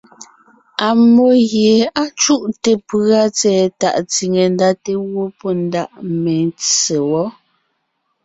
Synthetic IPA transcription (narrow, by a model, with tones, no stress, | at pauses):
a˨mo˨ɣje˨a˦t͡ʃu˦ʔte˨pɰa˦t͡sɛː˨ta̰˨ʔt͡si˨ŋe˨n˦da˦te˦wo˦pɔ˦n̩˦da˦ʔme˨n˦t͡se˨wɔ˦